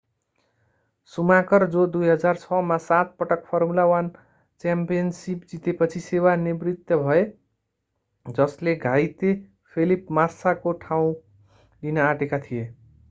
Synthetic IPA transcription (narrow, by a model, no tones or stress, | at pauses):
sumakʌrd͡zod̪ujɦʌd͡zart͡sʰʌmasat̪̚pʌʈʌk̚pʰʌrmulawan | t͡sampijʌnsipd͡zit̪epʌt͡sʰisewanibrit̪jʌbʱʌe | d͡zʌsleɡʱajt̪e | pʰelipmasakoʈʰaw̃ | linʌaʈekat̪ʰije